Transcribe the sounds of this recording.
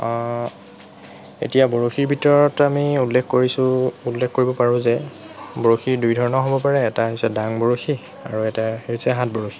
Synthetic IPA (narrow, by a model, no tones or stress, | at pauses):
ḛtijaboɹoxiɹbʱitɔɹɔtamiulːexkoɹisʊulːexkoɹibɔpaɹʊ̃zɛ | boɹoxiɹdujdʱɔɹɔnɔɦobɔpaɹɛːtaɦijsɛdaŋbɔɹoxi | a̰ɹuɛtaeɹisɛɦãt̚boɹoxʰi̥